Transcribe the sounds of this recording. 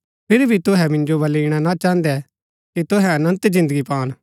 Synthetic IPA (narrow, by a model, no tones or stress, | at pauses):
pʰɪɾbʱit̪ʊɦɛmɪ̃nd͡ʒobɐliːɽ̃anat͡ʃãːə̃nd̪ɛ | kit̪ʊɦɛ̃ɐnə̃nt̪d͡ʒɪ̃nd̪əɡipaːn